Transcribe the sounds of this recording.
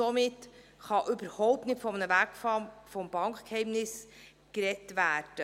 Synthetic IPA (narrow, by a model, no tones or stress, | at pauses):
omɪt | χɑʔʏbəɾhɔʊp̚tnɪtfɔmənəvækfɑfɔmb̥ɑŋkkhɛɪmnɪs | kɾɛtvæːd̥ə